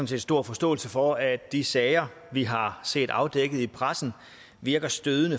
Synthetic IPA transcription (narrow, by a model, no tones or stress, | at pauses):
n̩se̝̰ːdsd̥o̝ɐ̰fɒ̽sd̥ɔ̰ːl̩səfɒ̽æ̥d̥isɛɪɐ | ʋiɦɑ̈se̝̰ːd̥ɑ̈ʊd̥eɡ̥ð̩ˠipʰʁasn̩ | ʋiɐɡ̥ɐsd̥øðˠənə